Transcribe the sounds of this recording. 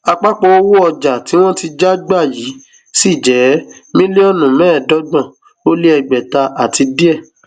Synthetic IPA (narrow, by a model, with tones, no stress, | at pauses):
a˧k͡pa˦k͡po˧o˦wo˦ɔ˧d͡ʒa˨ti˨˦w̃ɔ̃˦ti˧d͡ʒa˦ɡ͡ba˦˨ji˨˦ | si˦˨d͡ʒɛ˨˦mĩ˦le˦ɔ˦˨nũ˨mɛ̃ː˨˦˨dɔ˨˦ɡ͡bɔ̃˦˨ | o˦li˦ɛ˧ɡ͡bɛ˨ta˧ʔa˨ti˧di˦ɛ˦˨